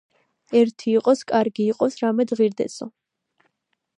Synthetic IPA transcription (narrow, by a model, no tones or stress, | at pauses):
ɛɾt̪ʰiːqʼɔskʼaɾɡiːqʼɔsɾamɛd̪ʁiɾd̪ɛ̰sɔ